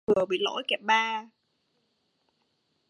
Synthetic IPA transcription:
ɨ˨˩əɓḭ˧˨lo̰˧˥jkɛ˨˩p̚ɓaː˧

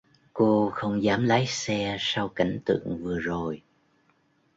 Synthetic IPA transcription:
ko˧xə˧wŋ͡mzaː˨˦mlaː˨˦jsɛ˧sa˧wka˨˦jŋ̟t̪ɨ̰˧˨əŋvɨ˨˩əzo˨˩j

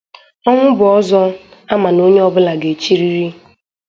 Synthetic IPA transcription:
ɔ˦ŋʷʊ˦bʊ˨ɔ˦zɔ˦a˦ma˨no˦ɲe˦ɔ˦bʊ˦la˨ɡe˨t͡ʃi˦ɾi˦ɾi˦

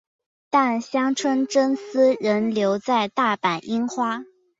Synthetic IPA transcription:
t̪a˥˩nɕjɑ˥ŋʈ͡ʂʰwə˥nʈ͡ʂə˥nsɹ̩˥ɻə˧˥nljo˧˥ʊt͡sa˥˧ɪt̪a˥˩pa˨˩nʔi˥nxwa˥

